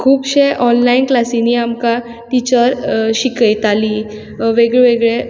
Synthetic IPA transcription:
kʰuːbɕeʔɔnlainklasiniːamka | ʈ̪it͡ɕəɾɕikəjt̪aliː | ʋeɡɭeʋeɡɭe

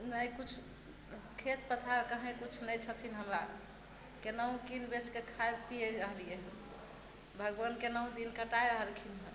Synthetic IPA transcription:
nəjkut͡ʃʰ | kʰet̪pət̪ʰakəɦẽkut͡ʃʰnəjt͡ʃʰət̪ʰinɦəmɾa | kenəɦũkinbeskekʰaeb̪̚pijeəɦlijeɦ | bʱəɡʋənkenəɦũd̪inkəʈajəɦəlkʰinɦə̃

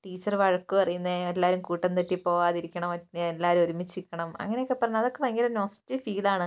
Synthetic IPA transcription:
ʈiːt͡ɕːɐrʋɐɻɐkːuɐrɐjunːɐelːaːɾumkuːʈːɐnt̪eʈːipːo̞ːaːðiɾikʲːɐɳɐmɐtneelːaːɾumoɾumit͡ɕːikʲːɐɳɐmɐ̰ŋːɐne̞jokːepːɐrɐɲːɐðokːeʋɐŋːɡilnoːsi̥tːifiːlaːɳɨ

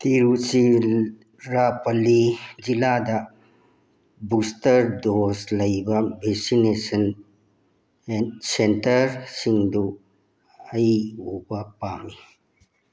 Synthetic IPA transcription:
t̪iɾusi | ɾapəlid͡ʒilad̪a | bust̪əɾd̪oslɐibabʱesinesən | ensenʈəɾsind̪u | əiupapaːmi

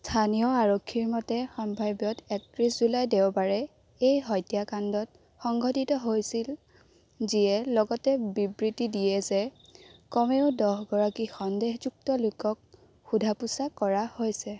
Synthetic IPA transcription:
stʰanijɔaɹokʰːiɹmɔtɛxɔmbʱajbjɔtɛk̚tɹiszulajdeʊbaɹɛ | ejɦɔjtjakandɔt̚ | xɔŋɡʱɔtitɔɦojsil | ziɛlɔɡɔtɛbibɹitidijɛzɛ | kɔmeʊdɔɦɡɔɹakixɔndeɦzuk̚tɔlʊkɔk̚ | xudʱapusakɔɹahojsɛ

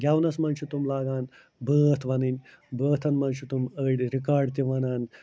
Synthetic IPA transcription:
ɡʲjawnɐsmɐnʃut̪umlaːɡaːn | bəːt̪ʰʋɐninʲ | bəːt̪ʰɐnmɐnʃut̪uməɽiɾikaːɾɖt̪iʋɐnaːn

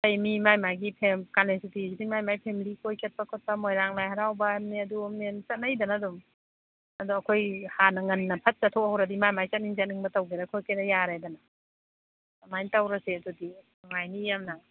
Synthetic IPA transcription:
tajmimajmajɡipʰemkalensitisidimajmajpʰemilikojkʰet̚pakʰɔt̚pɐmojɾaŋlajhaɾawbɐamniɐdumnent͡ʃɐt̚najdɐnadum | ɐduɐkʰojhanɐŋɐnːɐpʰɐt̚sɐtʰɔkhawɾɐdimajmajsɐt̚niŋzat̚niŋbɐtɐwɡeɾakʰojkʰajɾajaɾajdana | majnitawɾɐseɐdudi | ŋajnijamna

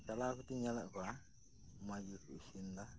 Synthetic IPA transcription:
kalakutiɲalakwa | mad͡ʒukuʃinda

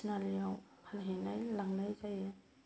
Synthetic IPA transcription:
nalijawpʰanɦenajlaŋnajzaja

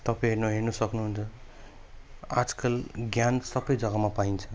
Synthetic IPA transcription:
t̪ʌpãɦernoɦernusʌknuɦunt͡sʰʌ | ad͡zkʌlɡjansʌbʌjd͡zʌɡamapaint͡sʰʌ

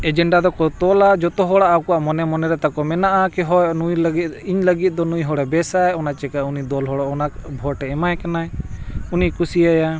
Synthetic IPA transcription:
ɛd͡ʒɛɳɖad̪ɔkɔt̪ɔlad͡ʒɔt̪ɔɦɔɽaʔakɔwaʔmɔnɛmɔnɛɾɛt̪akɔmɛnaʔakɛɦɔjnuiɲləɡit̪̚ˀd̪ɔnujɦɔɽɛbɛsajɔnat͡ʃɛkaunid̪ɔlɦɔɽɔʔɔnabʱɔʈɛɛmajkanaɛunikusiaja

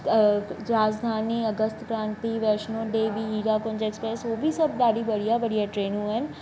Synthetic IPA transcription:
ɾaːd͡ʒd̪ʱaːniɐɡəst̪kɾãːnt̪iʋɛɾʃnõɖeːʋiɦiːɡakõnd͡ʒeːkspɾeːsʋoːbʱisɐb̚d̪aːɽibɐɽ̤ijabɐɽijaʈɾeːnũɛn

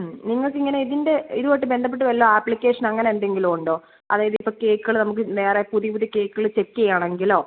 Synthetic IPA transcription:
niŋːɐɭkːɨiŋːɐne̞iðinde̞iðuʋoːjʈːɨbe̞nd̪ɐp̬ːeʈːɨʋɐlːoaːpːɭikʲːe̞ːʂɐnɐŋːɐneendɖe̞ŋɡiloːuɳɖo̞ː | ɐ̰ðaːjɐðipːo̞ːke̞ːkːɨɣɐɭnɐmuk̬ːɨneːrepuðipuðike̞ːkːuɣɐɭt͡ɕekːɐjaːɳe̞ŋɡilo̞ː

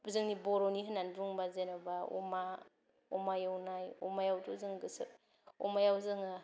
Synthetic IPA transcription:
zɯŋnibɔɾoniɦɯnanbuŋbazenabaɔ̰ma | ɔmajɯwnajɔmajawtʰuzɯŋɡɯsɯ̰ | ɔmajawzɯŋɯ

